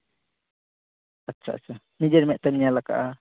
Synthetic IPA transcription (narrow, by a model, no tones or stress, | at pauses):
atːt͡ʃʰːa̰ʔa̰t͡ʃʰa | nid͡ʒɛɾmɛʔt̪ɛmɲialaka̰ʔa